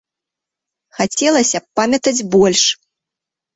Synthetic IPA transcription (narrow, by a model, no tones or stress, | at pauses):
xat͡sʲɛlˠɐsʲɐppːamʲɐt̪ɐd͡zʲbɔlʲʂ